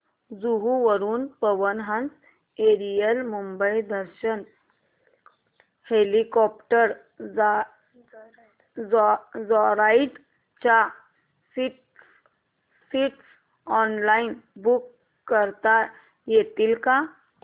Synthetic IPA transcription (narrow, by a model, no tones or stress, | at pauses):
d͡zuɦuʋəɾuːnpəʋənɦãnt͡s | eɾijəlmumbəjd̪əɾɕən | helikɔp̚ʈəɾ | d͡zɔɾaiʈ | t͡ɕa | siʈ | siʈs | ɔnlainbukː | əɾt̪a | jet̪iːlka